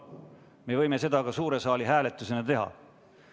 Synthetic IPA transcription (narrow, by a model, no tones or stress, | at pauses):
me̞vɤ̞jme̞se̞d̪̥ɑkɑsuːɾe̞sɑːliɦæːle̞t̪ːˑuse̞nɑt̪e̞ɦɑ̰